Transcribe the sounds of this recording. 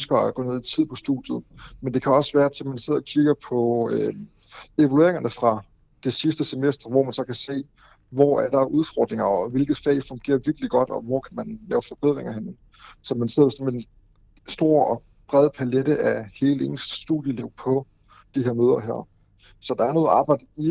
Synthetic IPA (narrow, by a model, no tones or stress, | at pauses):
ønsɡ̥ɐæɡ̥ɔ̽ːne̝ð̰ˠit͡sʰið̞̰ˠpʰɒ̽sd̥ṵd̥jð̩ˠmend̥e̝kʰæɒ̽sʋæːɐt͡sʰe̝mænse̝ð̞̰ˠɐkʰiɡ̥ɐpʰɒ̽ø | e̝ʋælue̝ɐe̝ŋɐnəfʁɑ̈ | d̥e̝sisd̥əsemesd̥ʁɐʋɒ̰mænsɒ̽kʰæse̝̰ː | ʋɒæɐd̥ɑ̈ʔuð̞ˠfɒːd̥ʁeŋɐɒʋe̝lɡ̥ð̩ˠfɛ̰ːɪfɔ̽ŋɡ̥e̝̰ːɐʋiɐɡ̥liɡ̥ɒ̽d̥ɒ̽ʋɒ̰ːkʰæmænlɛːʊfɒb̥eð̞̰ˠʁeŋɐɦenn̩ | sɒ̽mænse̝ð̰ˠpʰɒ̥sɒnme̝n | sd̥o̝ɐ̰ɒ̽ | b̥ʁɛð̞ˠəpʰæledəʔæhe̝ːle̝̰ːn̩sːd̥uðˠjəleʊ̰pʰɒ̽ | d̥iheɐmøːð̞ˠɐɦæ̰ɐ̰ | sɒ̽d̥ɑ̈æɐno̽ð̩ˠɑ̈ːb̥ɑ̈ɪ̰d̥əi